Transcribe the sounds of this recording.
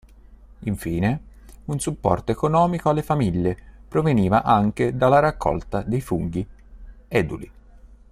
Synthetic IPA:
iɱfiːne | unsupːɔ̰rt̪oekonɔːmikoalːefamiʎːepɾoveniːvaʔaŋk̟ed̪alːaɾakːɔ̰lt̪ad̪ejfuŋɡ̟i | ɛd̪uli

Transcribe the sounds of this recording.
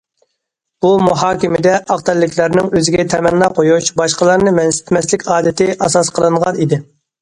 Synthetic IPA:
b̥umuɦɑːkʲimɪd̪ɛʔɑqt̪ʰɛlːɪkʲlæɾnɪŋøzɪɡʲɛt̪ʰɛmɛnlˠɑqʰojuʃbɑʃqəlˠɑɾnɨmɛnsɪ̥t̪ʰmɛslɪkʲɑːd̪ɪt̪ʰɪʔɑsɑsqʰəlˠɨɴʁɑnid̪ɪ

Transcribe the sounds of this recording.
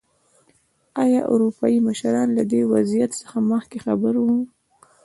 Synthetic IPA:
ɑjɑʔṵɾupɑjiməʃɾɑnlad̪ewazijat̪sə̥xaməxkexabəɾwu

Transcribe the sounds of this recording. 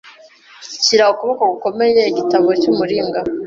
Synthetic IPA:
ciɾahokuβokaɡuko̞me̞je̞iɟitaβocumuɾiːŋɡa

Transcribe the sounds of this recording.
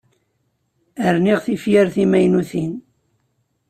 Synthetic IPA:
əɾniʁθifjaɾθimæjnuθin

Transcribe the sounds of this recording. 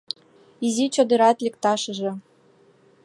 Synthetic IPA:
izit͡ɕod̪ɤ̆ɾɑt̪lʲĕk̚t̪ɑʃɤ̆ʒɤ̆

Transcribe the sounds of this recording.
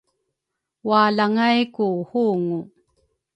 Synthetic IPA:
walaŋajkuhuːŋu

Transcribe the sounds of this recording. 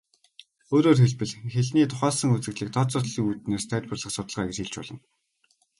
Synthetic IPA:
oːɾoːrxeɮpɘ̆ɮxeɮniːt̪ʰʊχæːɮsə̆ŋut͡sɘ̆ɮiːk̚t̪ʰɔt͡sʊt̪ɮiːŋut̪neːst̪ʰæːt̪̚ʲpərɮə̆χsʊt̪ə̆ɮʁaːɡet͡ɕxeɮt͡ɕpɔɮɞ̆n

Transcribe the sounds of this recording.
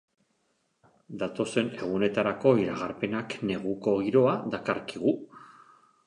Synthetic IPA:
d̪at̪o̞se̞ne̞ɣ̞une̞t̪aɾako̞iɾaɣaɾpe̞nakne̞ɣ̞uko̞ɣiɾo̞ad̪akaɾkiɣ̞u

